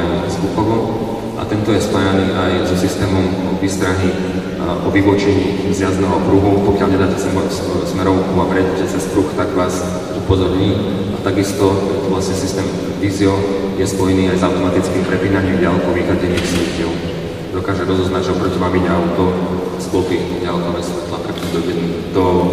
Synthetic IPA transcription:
ɲiskuxɔʋɔ | ʔa̰t̪ɛnt̪ɔjɛspajaniːʔajzɔsist̪ɛːmɔm | ʋist̪ɾaɦi | ʔɔʋiʋɔt͡ʃɛɲiːzjazdnɛɦɔkɾuɦupɔkɪalɲɛd̪aːcɛs | smɛɾɔʊkuabɾɛccɛt͡sɛspɾuxt̪aɡʋaːz | upɔzɔɾɲiː | at̪aɡist̪ɔt̪ɔʋlasɲɛsist̪ɛːm | ʋiːziɔjɛspɔjniːajzawt̪ɔmat̪it͡skiːmpɾɛpiːnaɲimɟalɛkɔʋixaɟɛɲimsɛcɪɛl | d̪ɔkaːʒɛɾɔzɔznaɟʒɛɔpɾɔcimamiɲɛaʊt̪ɔ | asplɔpiɔɟalkɔʋɛːsʋɛt̪lapɾɛpind̪ɔɟɛni | d̪ɔ

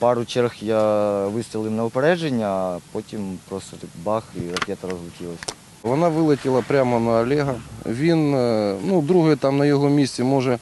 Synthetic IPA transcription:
pɑɾʊt͡ʃɛrxjaʋɪst̪ʲɾʲɪlˠɪwnɐʊpɛɾɛʒenʲːɐːpotʲimpɾɔst̪ɐɾɪbɑxirɐkʲɛt̪ɐɾɔzlˠʊt͡ʃʲilˠɐsʲ | ʋɔnaʋɪlˠɐtʲɪlˠɐpɾʲamɐnɐːlʲɛɦɐʋʲinnud̪ɾuɦʊjɛt̪amnɐjɔɦɔmʲisʲtʲɪmɔʐɛ

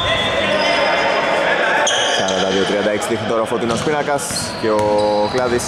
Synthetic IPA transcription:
sɐɾɐt̪ɐðiot̪ɾiɐnd̪ɐeksit̪ixnit̪o̞ɾɐofot̪inospinɐkɐs | ceoklɐðis

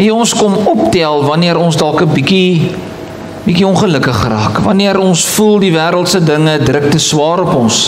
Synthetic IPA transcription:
ɦɛɔnskɔmɔptælˠvɐniəɾɔnsdɑlˠkəbiki | bikiɔ̃nχələkəχrɑːkvɐniəɾɔnsfulˠdivæːɾəlˠtsədəŋədrək̚təswɑːɾɔpɔns

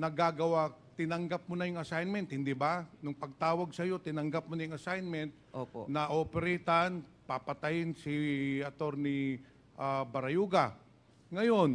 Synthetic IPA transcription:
nɐɡaɡɐwat̪ɪnɐŋɡap̚mʊnɐjʊŋɐsajnmɛnt̪̚hɪnd̪ibanʊŋpɐɡ̚t̪aːwɐɡsɐjo̞t̪ɪnɐŋɡap̚monɐjʊŋɐsajnmɛnt̪̚ʔopo̰nɐʔopɛɾɛt̪ɐnpapɐt̪ɐjɪnsiɐt̪o̞ɾni | ʔabɐɾɐjuːɡa | ŋɐjo̞n

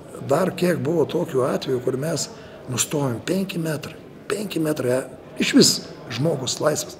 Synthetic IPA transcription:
d̪ɐrkʲiɛkbʊʋoːt̪oːkʲuːɑːt̪ʲʋʲɛjuːkʊrmʲɛs | nʊst̪oːʋʲempʲɛŋʲkʲɪmʲæt̪ɾɐɪ | pʲɛŋʲkʲɪmʲæːt̪ɾɐ | ɪʃʲʋʲɪsʒmoːɡʊslˠɐɪsʋʲes

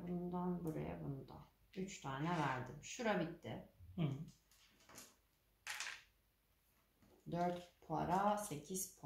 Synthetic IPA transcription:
bund̪anbuɾa̰ja̰bunud̪a̰ | yt͡ʃt̪ʰaːnɛvæɾd̪ɪmʃuɾabit̪ʰːɪ | d̪øɾt̪pʰa̰ɾase̞cʰiz̥pʰ

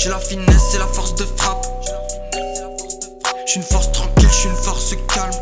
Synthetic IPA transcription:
ʒelɔʁfinɛselafɔʁsd̪əfχap | ʃːnfɔʁst̪χɑ̃kʲilʃiynfɔʁsd̪əkalm

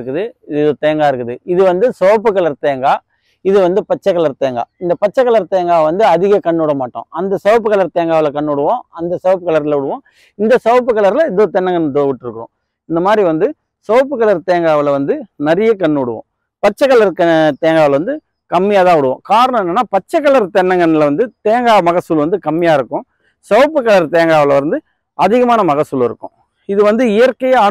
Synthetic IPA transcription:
ɯkːɯðɯɪðɪðot̪eːŋɡaːɪɾɯkːɯðɯɪðɯʋɐnd̪ɯsɔʋɐp̬ːɯkːɐɭɐɾt̪eːŋɡaː | ɪðɯʋɐnd̪ɯpɐt͡ʃːɐkːɐɭɐɾt̪eːŋɡa̰ːɪnd̪ɐpɐt͡ʃːɐkːɐɭɐɾt̪eːŋɡaːʋɐnd̪ɯɐðɪɣɐkɐɳːuːɽɐmaːʈːõ̰ːɐnd̪ɐsɐʋɐpːɯkːɐɭɐɾt̪eːŋɡaːʋɪlɐkɐɳːɯʊɽɯʋõːɐnd̪ɐsɐʋɐp̬ːɯkːɐɭɐɾlɐʊɽɯʋõː | ɪnd̪ɐsɐʋɐp̬ːɯkːɐɭɐɾlɐɪðoːt̪ɛnːɐŋɡɐnːʈːoʋɪʈːɪɾɯkːõ̰ː | ɪnd̪ɐmaːd̪ɾiʋɐnd̪ɯ | sɔʋɐpːɯkːɐɭɐɾt̪eːŋɡaːʋɪlʋɐnd̪ɯnɐɾɪjɐkɐɳːɯʊɽɯʋõ̰ː | pɐt͡ʃːɐkːɐlɐɾkɐt̪eːŋɡaːʋɪlʋɐnd̪ɯ | kɐmːɪjaːt̪ãːʊɽɯʋõ̰ːkaːɾɐɳɐ̃mɛnːɐnːaːpɐt͡ʃːɐkːɐlɐɾt̪ɛnːɐŋɡɐnɪlʋɐnd̪ɯt̪eːŋɡaːmɐɣɐsːɯlʋɐnd̪ɯkɐmːɪjaːɪɾɯkːʊ̃ | sɐʋɐpːɯkːɐɭɐɾt̪eːŋɡaːʋɐlɐɪɾɯnd̪ɯ | ɐðɪɣɐmaːnɐmɐɣɐsːɯlɪɾɯkːʊ̰̃ | ɪðɯʋɐnd̪ɯɪjɐɾkɐjɐɐ

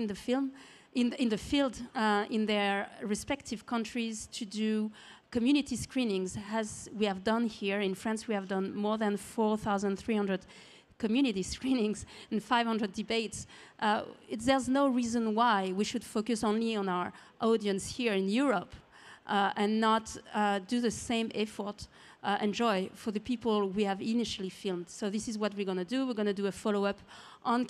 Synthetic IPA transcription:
nðəfɪlm | ʔɪ̃nɪ̃nðɨfilˠdɪ̃nðə˞ɹɨspɛk̚tʰɪv̥kʰʌ̃ntʰɹ̥iz̥tʰɨdukɨmjʉnɪtiskʰɹĩnɪ̃ŋzæzwiɨvdʌ̃nhiɹɪ̃nfɹæ̃nswiævdʌ̃nmɔɹðæ̃nfɔɹθaʊzə̃nθɹihʌ̃ndɹəd̥ | kɔmjʉniɾiskɹĩnɪ̃ŋzɨ̃nfaɪvhʌ̃ndɹədɨbeɪtsʔɪðɛɹznoʊɹizə̃nwaɪwiʃud̥fokɨsõʊ̃nliə̃naʊə˞ʔɔdiɨ̃nshiɹɪ̃njuɹɔp | ʔʔɨ̃nːətdɨðəsẽɪ̃mɛfɔ˞t | ʔɛ̃nd͡ʒɔɪfə˞ðəpipəl̩ˠwiæviniʃəlˠifilˠmd̥soʊðɪsɨzwʌt̚wiɹɡʌnɨduwiɹɡʌnɨdɨəfɔloʊʌp | ʔə̃n

